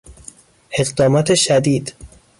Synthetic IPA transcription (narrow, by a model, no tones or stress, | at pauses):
e̞ɣd̪ɒːmɒːt̪ʰeʃæd̪iːd̪